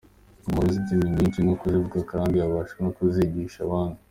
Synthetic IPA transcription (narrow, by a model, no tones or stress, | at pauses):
umuɾizitimiɲiːnt͡ʃinokuzivukakaːndijaβaːʃanokuziɟiːʃaβaːnu